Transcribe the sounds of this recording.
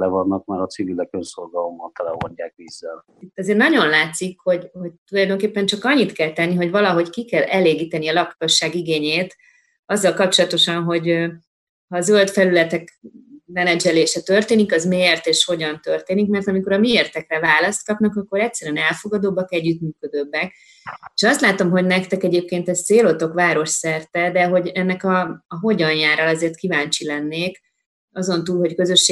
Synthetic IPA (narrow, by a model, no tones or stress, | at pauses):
lɛvɒnːɒk̚maːɾɒt̪sivilɛkønso̞lɡɒlomːɒnt̪ɛlɛɦo̰ɲɟaːkʋiːzːɛl | it̪ːɒzeːrnɒɟo̞nlaːt̪sikho̞ɟho̞c̚t̪ulɒjd̪oŋkeːpːɛɲt͡ʃɒkɒɲːit̪kɛlt̪ɛnːiɦo̞ɟvɒlɒɦo̞ɟkikɛlɛleːɡiːt̪ɛniɒlɒkoʃːaːɡiɡeːɲeːt̪ | ɒzːɒlkɒp̚t͡ʃo̞lɒt̪o̞ʃɒnɦo̞ɟ | hɒːzø̞lt̪fɛlylɛt̪ɛkmɛnɛd͡ʒɛleːʃɛt̪ørt̪eːnikɒzmert̪eːʃho̞ɟɒnt̪ørt̪eːnikmɛrt̪ɒmiko̞ɾɒmieːrt̪ɛkrɛvaːlɒst̪̚kɒpnɒkɒkːo̞ɾɛc̚sɛɾyɛnɛlfo̞ɡɒd̪obːɒkɛɟːyt̪myːkød̪øːbːɛk | eʃɒst̪laːt̪o̞mɦo̞ɟnɛkt̪ɛkɛɟeːp̚keːnt̪ɛst̪seːlot̪o̞kʋaːɾo̞ʃsɛrt̪ɛd̪ɛɦo̞ɟɛnːɛkɒːɦo̞ɟɒnjaːrɒlɒzeːrt̪kivaːnt͡ʃilɛnːeːk | ɒzo̞nt̪uːlɦo̞ckøzø̞ʃːe